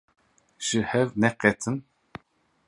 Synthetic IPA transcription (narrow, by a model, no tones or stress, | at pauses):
ʃɨhɛvnɛqɛt̪ʰɨn